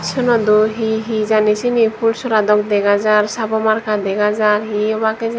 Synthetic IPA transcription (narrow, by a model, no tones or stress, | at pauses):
sʰɔnɔd̪uɦiɦid͡ʒanit͡ʃʰinipʰulsɔɾad̪ɔkd̪eɡazaɾsabɔmaɾkʰad̪eɡazaɾɦiɔbake